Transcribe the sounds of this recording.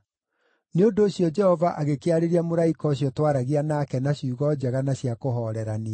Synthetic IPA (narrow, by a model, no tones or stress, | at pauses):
neondoːɕjɔd͡ʒɛhɔvaʔaɣekeaɾeɾiamoɾaikɔɕ̬jɔtwaɾaɣianaːkɛnaɕuːɣɔd͡ʑɛɣanaɕjakoɦɔɾɛɾane